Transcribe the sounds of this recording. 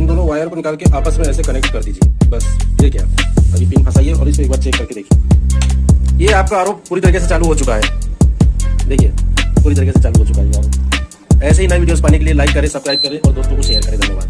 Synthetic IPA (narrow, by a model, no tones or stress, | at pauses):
md̪oːnõʋaːjəɾkonɪkaːlkeʔaːpəsmẽɛːsekɐnek̚ʈkɐɾd̪iːd͡ʒiebɐspʰɪɾkja̰ːaɡifiːnpʰɐsaːieɔ̰ːɾɪsmẽeːk̚baːɾt͡ʃeːkːɐɾked̪eːkʰie | jeaːp̚kaaːɾoːp̚puːɾit̪ɐɾiːkeset͡ʃaːluɦot͡ʃʊkaɦɛː | d̪eːkʰiepuːɾit̪ɐɾiːkeset͡ʃaːluɦot͡ʃʊkaɦɛjeaːɾoːp | ɛːseɦinɐeʋiɖijoːzpaːnekelielaːɪkːɐɾẽsɐbskɾaːɪb̚kɐɾẽʔɔːɾd̪oːst̪õkoʃeːjəɾkɐɾẽd̪eːnaba̰ːd̪